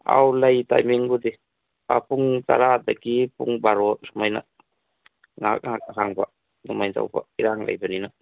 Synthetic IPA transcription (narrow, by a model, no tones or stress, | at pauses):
a̰wlajta̰jmiŋbudi | apʰuŋta̰ɾad̪akipuŋbaɾɔsumajna̰ | ŋa̰k̚ŋak̚aɦaŋba | numajnta̰wba̰iɾaŋlʔa̰jbanina